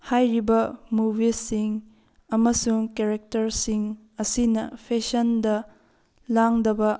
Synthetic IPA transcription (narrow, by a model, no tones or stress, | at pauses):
hajɾibɐmubʱisiŋ | ɐmɐsuŋkeɾek̚tɐɾsiŋ | ɐsinɐpʰesɐndɐ | laŋdɐbɐ